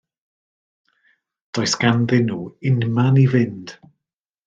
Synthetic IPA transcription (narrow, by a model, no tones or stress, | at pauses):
d̥ɔjsɡ̥anðɪnuːɪnmanivɪnd̥